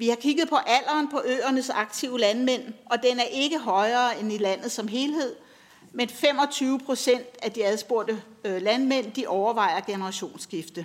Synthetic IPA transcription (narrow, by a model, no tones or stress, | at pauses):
ʋihɑ̈kʰiɡ̥ð̞̩ˠpʰɒ̽ʔæl̰ɐːnpʰɒ̽ʔøːɐnəsɑ̈ɡ̥̚t͡sʰiʊəlænmen̰ʔɒ̽d̥enæɐʔe̝ɡ̥əɦɒ̽ɪɐːenilæn̰ð̞̩ˠsɒ̽mɦe̝ːlɦe̝ð̞̰ˠ | menfem̰ɒ̽t͡sʰyːʊəpʰʁo̝sen̰d̥æd̥iæð̞ˠsb̥o̝ɐd̥ə | lænmen̰d̥iʔɒʊɐʋɑ̈ɪ̰ɐɡ̥e̝nəɐʁɑ̈ɕo̝̰ːnsɡ̥ifd̥ə